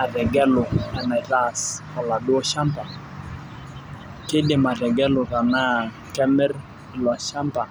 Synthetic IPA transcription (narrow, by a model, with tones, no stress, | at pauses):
a˨rɛ˨ɡɛ˦lʊ˨ɛ˨na˨ɾa˦˨skɔ˨la˨dʊ˦ɔ˦ʃa˦mpa˨ | kɪ˦dɪ˨ma˨ɾɛ˨ɡɛ˦lʊ˨ka˨na˦ | kɛ˦mɛ˦r | lwa˨ʃa˦mpa˨